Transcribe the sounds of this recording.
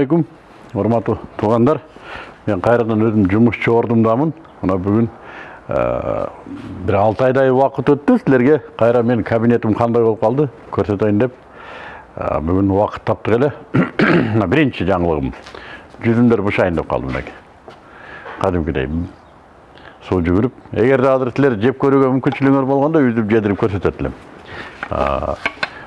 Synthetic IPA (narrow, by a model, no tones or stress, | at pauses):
ek̬ʲum | uɾmɑt̪ːut̪ʰuʁɑnd̪ɑɾme̞ɴqʰɑjɾɑd̪ɑnøzɪmd͡ʒʊmuʃt͡ʃʰoɾd̪umd̪ɑmən | mənɑbʏɡʏn̰ | bɪɾɑlˠt̪ɑjd̪ɑjuwɑqət̪wøt̪ːysɪle̞ɾɡe̞qʰɑjɾɑme̞nkʰabine̞t̪ɪmqʰɑnd̪ɑjbolˠəpqʰɑlˠd̪əkʰɵɾse̞t̪ejmd̪e̞p | byɡynwɑqə̥t̪ʰːɑp̚t̪əʁe̞le̞ | nɑbɪɾɪnʃɪʒɑɴəlˠəʁəmʒʏzɪmd̪eɾbʊʃɑjnd̪ɑpqʰɑ̰lˠd̪əmnḛkʲe̥ | qʰɑd̪emkʲɪd̪ḛj | soʒʏɡʲɪɾɪpe̞ɡʲe̞ɾd̪eɑzɪɾsɪle̞ɾʒe̞p̚kʲʰɵɾuɡʲe̞mʏmkʲɪnʃɪlɪɡŋeɾbo̞lˠʁɑnd̪ɑʏzd̪ep̚d͡ʒed̪ɪɾɪp̚kʰɵɾse̞t̪et̪ɪlem | ə̰